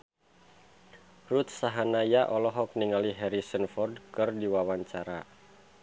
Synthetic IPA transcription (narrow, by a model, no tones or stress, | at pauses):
rut̪̚saɦanajaʔɔlɔɦɔk̚niŋaliɦɛɾisənfɔrdkɨrdiwawaɲt͡ʃaɾa